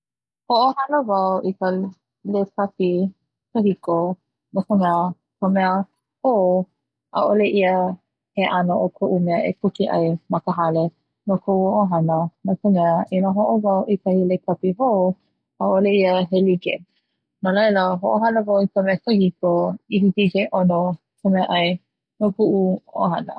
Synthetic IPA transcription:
hoʔohɐnəvawʔikə | lekʰɐpi | kəhiko | nakəmɛə | kəmɛə | ho | ʔa̰ʔoleʔiə | heʔanoʔokʰoʔumeəʔḛkukiʔɐ̰jmɐkəɦale | nokʰowoʔoɦɐnənakəmɛəʔinaɦoʔovawʔikɐhilekʰɐpiɦoː | aʔoleiəɦelikḛ | nalɐjləɦoʔoɦɐnəvawikəmɛəkəhikoiɦitikeʔono | kʰəmɛəʔɐj | nohuʔuo̰ɦɐnə̰

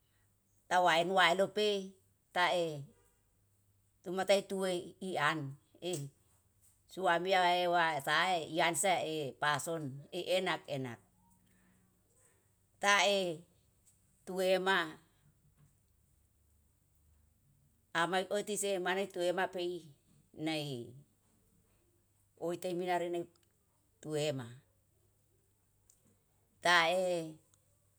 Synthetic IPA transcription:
t̪awaenwaelope | t̪ae | t̪umat̪ait̪uweian | e | suamiaaewat̪aeiansaepasoneʔenakena̰k̚ | t̪ae | t̪uema | maiot̪isemanajt̪uemapei | nai | oit̪ajminaɾenaj | t̪uema | t̪ae

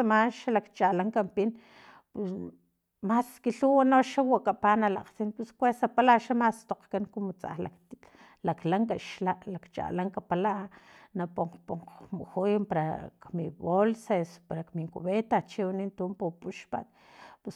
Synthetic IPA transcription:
amaʃalakt͡ʃalaŋkampin | pus | maskiɬuwanoʃawaʔkapanala̰qt͡sinpuskʷesapalaʔʃamast̪oqkaŋkumot͡sa̰la̰k | laklaŋkaʃlaʔlakt͡ʃa̰laŋkapalaʔanapoɴqpoɴqmuxujmpaɾa̰kmiβolsespaɾakmiŋkṵβet̪at͡ʃiwanint̪umpupuʃpa̰t̪̚ | pus

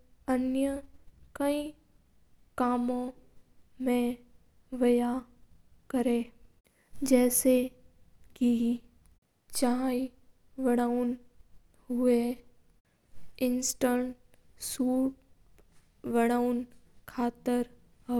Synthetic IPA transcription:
ənjəkəĩ | kaːmõ | mẽ | ʋɐja | kəɾẽː | d͡ʒɛːse | ki | t͡ʃaːi | ʋəɽ̃aːʊn | ɦʊe | ɪnsʈəɳʈ | suːʈ̚ | ʋəɽ̃aːʊnkʰaːt̪əɾ | ɦ

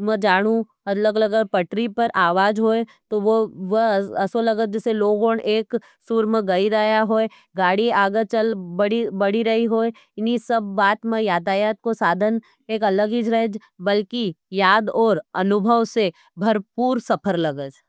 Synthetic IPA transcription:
mɛd͡ʒaːɽ̃ũ | ɐləɡləɡəpɐʈɾipɐɾʔaːʋaːd͡ʒɦoːet̪oʋoʋɐɐsolɐɡəd͡ʒɛseloːɡoːɳʔeːk | sʊɾməɡɐiɾəɦjaɦoːe | ɡaːɽiaːɡət͡ʃəlbɐɽibɐɽiɾɐɦiɦoːe | ɪnisɐbːaːt̪mẽjaːd̪aːjaːt̪̚kosaːd̪ʱən | eːkɐləɡid͡ʒɾəɦed͡ʒ | bɐlkijaːd̪ɔːɾɐ̰nʊbʱəʋse | bʱɐɾpuːɾsɐpʰəɾlɐɡəd͡ʒ

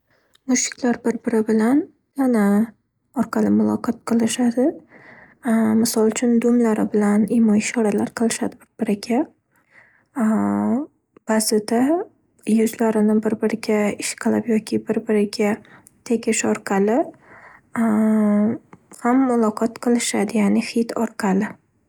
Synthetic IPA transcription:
mʊʃɪ̥kʲlaɾbɪɾbɪɾɪbɪlan | jana | ɒɾqʰɑlɪmʊlˠɒqʰɒt̪̚qʰɨlˠɪʃad̪ɪ | mɪsɒlˠt͡ʃʰʊnd̪ʊmlaɾɪbɪlanimɒɪʃɒɾalaɾqʰɨlˠɪʃad̪ɪbɪɾbɪɾɪɡʲa | b̥azɪd̪a | jʊzlaɾɪnɪbɪɾbɪɾɪɡʲaɪʃqʰɨlˠɪpjɒkʲʰɪbɪɾbɪɾɪɡʲa | t̪ʰe̞kʲʰɪʃɒɾqʰɑlɪ | hamːʊlˠɒqʰɒt̪qʰɨlˠɪʃad̪ɪjanɪhɪt̪ʰɒɾqʰɑlɪ

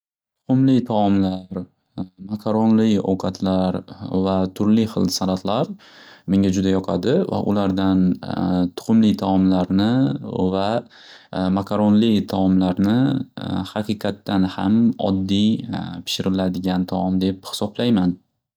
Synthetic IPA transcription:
t̪ʰʊ̥qʊmlɪt̪ʰaɒmlaɾ | makʰaɾonlɪo̰wqʰɑt̪ʰlaɾvat̪ʰʊɾlɪχɨ̰lˠsanat̪laɾ | meŋɡʲad͡ʒʊd̪ajɒqʰad̪ɪva̰ʔʊ̰laɾd̪ant̪ʰʊ̥qʰʊmlɪt̪ʰaɒmlaɾnɪva | makʰaɾonlɪt̪ʰaɒmlaɾnɪhɑqɨqʰɑt̪ːanha̰mɒ̰d̪ːijpʰɪ̥ʃɪɾɪlad̪ɪɡʲant̪ʰɒɒmd̪ephɪ̥sɒblajman

